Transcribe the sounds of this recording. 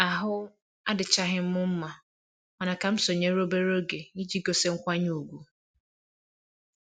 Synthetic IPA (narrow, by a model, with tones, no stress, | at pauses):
a˨ɦʊ˦ | a˦dɪ˨t͡ʃa˦ɦɪ˦m̩˦mʊ˦m̩˦ma˨ | ɔ˨na˨ka˨m̩˦so˨ɲe˦ɾo˦be˦ɾo˦ɡe˨ni˦d͡ʒi˦ɡo˨se˦ŋ̩˦kʷa˦ɲu˦˨ɡʷu˨